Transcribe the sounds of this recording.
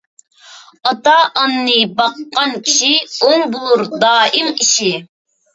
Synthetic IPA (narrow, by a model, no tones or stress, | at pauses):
ɑt̪ɑʔɑnːɨbɑqːɑnkʲʰi̥ʃioŋbulˠuɾd̪ɑːimiʃi